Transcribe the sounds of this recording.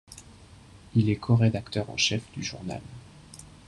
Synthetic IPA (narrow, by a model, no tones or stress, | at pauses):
ilɛkʰɔʁed̪akt̪œʁɑ̰̃ʃɛfd̪yʒṵʁna̰l